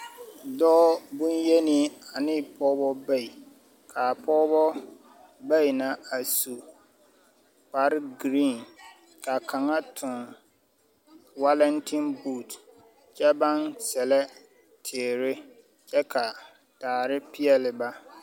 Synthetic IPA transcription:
dɔː˦bʊ̃˦nje˦ni˦a˨nɪ˦pʰɔː˦bɔ˦ba˦˨i˨ | kʰa˨pʰɔː˦bɔ˦ | ba˦˨i˨na˦a˨su˨ | pa˦ɾɡɾi˦˨n | ka˨kʰa˨ŋa˦tʰʊ˨n | wa˦lɛ˦ntʰi˦nbu˦˨t | t͡ʃɛ˦ba˦nsɛ˨lɛ˦ | tʰe˨ɾɪ˦ | t͡ʃɛ˦kʰa˨ | taː˨ɾɪ˦pɪ˦ɛ˦lɪ˨ba˦

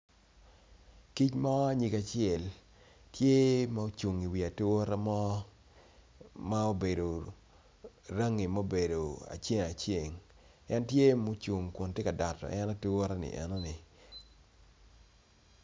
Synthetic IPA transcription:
ki˦t͡ʃma˦ɔ˦a˦ɲi˨ka˨t͡ʃɪɛ˨l | tje˦ma˦o˦t͡ʃu˨ŋi˨wi˨a˨tu˦o˦ɾa˦mɔ˦ | ma˦o˦be˨do˨ | ɾa˦ŋi˨mo˦be˨do˨a̰˨t͡ʃje˦ŋa˨t͡ʃje˨ŋ | ɛ˦ntje˦mo˦t͡ʃu˨ŋko˨ntje˦ka˨da˨tɔ̰˨ʔɛ˦na˦tu˦o˦ɾa˦nɪ̰˨ʔɛ̰˨no˦nɪ˨

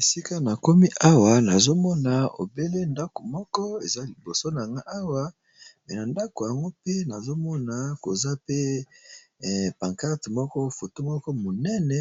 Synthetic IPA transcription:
e˨si˦ka˦na˨ko˦mi˦ʔa˦wa˨na˨zo˦mɔ˦na˨o̰˨be˦le˦nda˦ko˨mɔ˦kɔ˦e˨za˦li˨bo˨so˦n˨a˨ŋɡa˦ʔa˦wa˦ | mɛ˨na˨nda˦ko˨ja˨ŋɡo˦pe˦na˨zo˦mɔ˦na˨ko˨za˦pe˦˨ | pa˨ŋka˦ʁtmɔ˦kɔ˦fo˨to˦mɔ˦kɔ˦mo˨nɛ˦nɛ˨

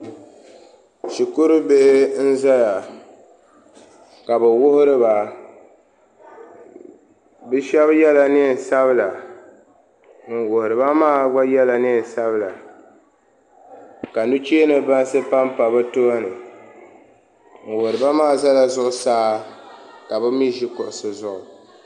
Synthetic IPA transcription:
ʃi˨kʊ˦ɾɨ˦be˦hɪ˦n̩˦za˦ja˨ | ka˨bɛ˨wʊ˦hʊ˦ɾɨ˦ba˨ | bɨ˦ʃɛ˦βjɛ˦la˨nɪ˦n˨sa˦βɨ˦la˨ | n̩˨wʊ˨hʊ˨ɾɨ˨ba˦maː˦ɡ͡ba˦jɛ˦la˦nɪ˦˨n˨sa˦βɨ˦la˨ | ka˨nu˦t͡ʃi˦nɨ˨ba˦n˦sɨ˦pa˦m˦pa˨bɨ˦to˦a˦nɨ˨ | ŋ̩˨wʊ˨hʊ˨ɾɨ˨ba˦maː˦˨za˦la˨zʊ˦ʔʊ˦saː˦ | ka˨bɨ˦mi˦ʒi˦kʊ˨ʔʊ˨sɨ˨zʊ˦˨ʔʊ˨

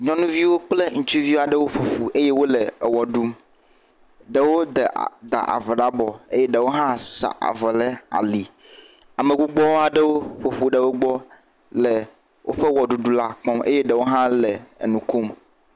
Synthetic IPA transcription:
ɲɔ̃˦nũ˦vi˦wo˦k͡ple˦ŋũ˨t͡ʃu˦vi˦wa˨ɖe˦wo˦ɸo˨ɸu˨e˦je˦wo˦le˨wɔ˨ɖu˦m | ɖe˨wo˦d̪ɛ˨d̪a̰˨ʔa̰˨ve˨ɖa˦bɔ˨e˦je˦ɖe˨wo˦ɦã˦sa̰˨ʔa̰˨vɛ˨le˦a̰˨li˨ | a˨me˨ɡu˦ɡ͡bɔ˦wa˨ɖe˦wo˦ɸo˨ɸu˨ɖe˨wo˦ɡ͡bɔ˦ | lɛ˨ | wʔo˦ɸe˦wɔ˨ɖu˨ɖu˦la˦k͡pɔ̃˦mḛ˦je˦ɖe˨wo˦ɦã˦lɛ̰˨nũ˨ku˦m

